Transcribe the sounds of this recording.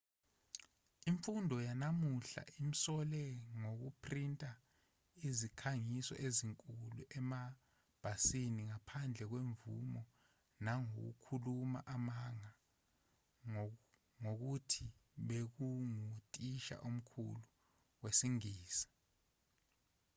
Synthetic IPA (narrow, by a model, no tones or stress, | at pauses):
iɱfundʱɔjanamuɬa̰ʔim̩sɔlɛŋok̬upʰrintʼa | izikʰaŋisɔ̰ʔeziŋkʼuluʔɛma | b̥ʱasiniŋapʰand͡ɮʱɛk̬weɱvṵmɔ | naŋo̰k̬ṵkʰuluma̰ʔamaŋa | ŋok̬utʰiɓek̬uŋutʼiʃa̰ʔum̩kʰṵlu | wesiŋiːsḁ